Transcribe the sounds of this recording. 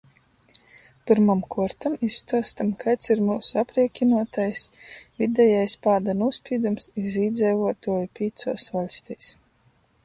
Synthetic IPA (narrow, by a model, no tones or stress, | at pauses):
pɨɾmamkuɔɾt̪amisːt̪uɔst̪amkajt̪siɾmuːsuapɾiɛkʲinuɔt̪ajsvʲid̪ʲɛjajspaːd̪anuɔspʲiːd̪umsiziːd̪zɛjvuɔt̪uɔjipʲiːt̪suɔsvalʲsʲt̪ʲiːs